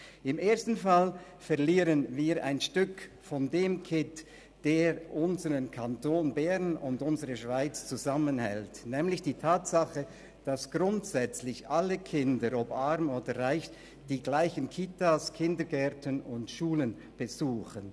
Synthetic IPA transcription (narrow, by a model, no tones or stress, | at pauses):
ɪmeːɐstn̩fal | fɛɐliːɾənviːɾʔa̰ɪnʃtʏk | fɔndeːmkʰɪt | d̥eːɾʔʊnzəʁənkʰantoːnbɛʁnʊndʊnzəʁəʃv̥aɪt͡st͡suzamənhɛ̰ltnɛːmlɪçd̥iːtʰaːtsaχə | d̥asɡ̥ʁʊntsɛt͡slɪçʔaləkʰɪndəɾɔpaɾmoːdəʁaɪç | d̥iːɡlaɪçənkʰitaːskʰɪndəɡɛʁtənʊntʃuːlən | b̥əzuːxən